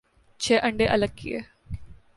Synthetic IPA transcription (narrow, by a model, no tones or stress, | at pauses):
t͡ɕʰeːʔəɳɖeːʔɐləɡ̚kḭeː